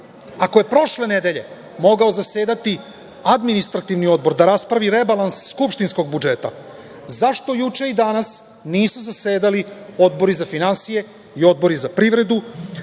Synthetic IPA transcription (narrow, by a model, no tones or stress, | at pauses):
ako̞je̞pɾo̞ʃle̞ned̪eʎe̞̰ | mo̞ɡaozaseːd̪at̪i | ad̪minist̪ɾat̪iʋnio̞d̪̚bo̞ɾd̪aɾaspɾaʋiɾe̞balansːkupʃt̪insko̞ɡ̚bud͡ʒe̞t̪a̰ | zaʃt̪o̞jut͡ʂe̞id̪anas | niːsuzaseːd̪alio̞d̪bo̞ɾizafinansije̞ | io̞d̪̚bo̞ɾizapɾiʋɾe̞d̪u